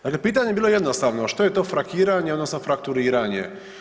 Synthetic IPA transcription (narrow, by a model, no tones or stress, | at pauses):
t̪aɡɛpɨt̪̬aɲɛbɨlˠɔjɛd̪nɔst̪avnɔʂt̪ɔjɛt̪ɔfɾakʲiɾaɲɛɔd̪nɔsnɔfɾakt̪uɾiɾaɲʲɛ̰